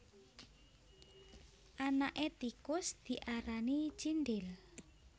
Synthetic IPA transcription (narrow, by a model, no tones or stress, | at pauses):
ʔanaʔet̪ikʊsd̪̥i̤ʔaɾani̥t͡ʃinɖɪl